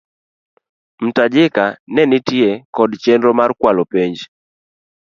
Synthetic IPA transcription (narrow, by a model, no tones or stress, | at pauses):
m̩tad͡ʒɪkanɛnɪtjekɔdt͡ʃendɾɔmarkwalɔpeɲd͡ʒ